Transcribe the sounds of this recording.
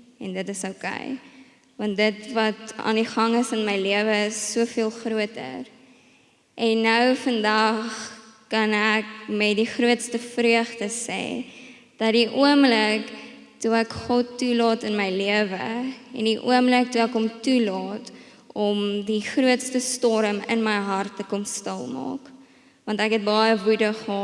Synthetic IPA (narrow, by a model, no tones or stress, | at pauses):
ɛndətəsəkɛ̰j | vɐntdətvɐtɑ̰ːndiχɐŋəsənməjliəvəəsːuəfiəlˠχruətə̰r | ʔɛnːəwfəndɐχkɐnækmɛt̚diχruətstəfryəχdəsɛ̰ː | d̥ɐtdiʔuəmlək | tuækχɔtulɑːtənməjliəvə̰ɛ̰ndiʔṵəmlək̚tuækɦɔmtulɑːt | ɔmdiχruətstəstɔɾəmə̰nməjɦɐrtːəkɔmstəlˠmɑ̰ːk | vɐntækɦɛt̚bɑjəvudəχəɦɔ